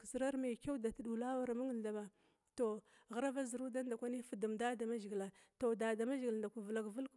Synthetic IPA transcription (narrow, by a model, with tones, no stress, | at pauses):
kzi˨ɾa˦ɾma˨ke˦wda˨tɗu˨la˦wa˦ɾa˨mə˦ŋə˦˨n˨ɬa˨ba˨ | to˨ɣa˦ɾa˦va˦zi˨ɾu˦da˦n˦da˨kʷa˦ni˦fu˨du˨mda˦da˨ma˦ʒi˨ɡi˨la˨to˨da˨da˨ma˦ʒɡi˨lnda˨kʷu˨və˨la˦ɡvu˦lk